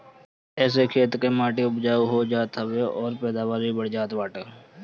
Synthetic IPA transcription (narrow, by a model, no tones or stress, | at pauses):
ɛːs̬ekʰeːt̪kemaːʈiʊpd͡ʒaːuɦod͡ʒaːt̪ɦəweɔːɾpɛːd̪aːʋaːɾibəɽd͡ʒaːt̪baːʈə